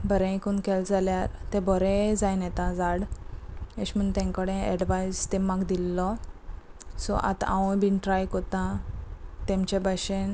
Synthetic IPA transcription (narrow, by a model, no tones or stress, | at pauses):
bəɾɛ̃ikunkɛld͡zaljaɾt̪ɛ̃bɔɾɛd͡zajnɛt̪ãd͡zaɽ | eɕm̤əɳt̪ɛ̃ŋkəɽɛ̃ɛɽʋajst̪ɛ̃maɡd̪ilːɔ | sɔ̰ʔa̰t̪ã̰ʋũbinʈɾajkɔt̪ã | t̪ɛ̃mt͡ɕebəɕen